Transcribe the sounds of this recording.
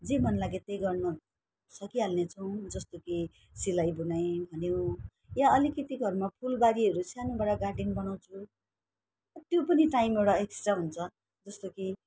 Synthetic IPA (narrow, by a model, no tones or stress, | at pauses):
d͡zemʌnlaɡet̪ejɡʌrno | sʌkiɦalnet͡sʰʌw̃d͡zʌst̪oki | silajbunajbʱʌnjo | jãʌlikit̪ikɡʱʌrmapʰulbaɾiɦʌɾusjanubaɽʌɡarɖinbʌnaw̃t͡sʰu | ut̪jopʌniʈaimewɽaeksʈraɦunt͡sʰʌ | d͡zʌst̪oki